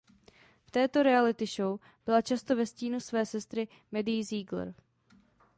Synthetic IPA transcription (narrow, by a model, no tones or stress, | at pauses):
ft̪ɛːt̪o̞ɾɛalɪt̪ɪʃo̞w | b̥ɪlat͡ʃast̪ovɛsciːnusvɛːsɛst̪ɾɪ | mɛdɪjziːɡl̰ɾ